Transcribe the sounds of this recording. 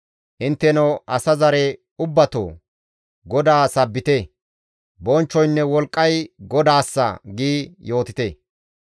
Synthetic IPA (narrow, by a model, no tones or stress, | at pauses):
ʔɪnt̪ːɛnɐwʔɐsɐzɐɾɛ | ʊbːɐt̪o̰ | ɡɔd̪aːsɐbːɪt̪e | bɔnt͡ʃːɔjnːɛwɔlkʼːɐjɡɔd̪aːsːɐ̰ɡiːjo̞ːt̪ɪt̪e